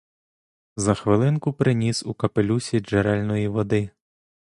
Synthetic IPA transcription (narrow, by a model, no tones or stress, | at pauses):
zɐxʋɪlˠɪnkʊpɾɪnʲisukɐpelʲusʲid͡ʒeɾɛlʲnɔjiʋɔd̪ɪ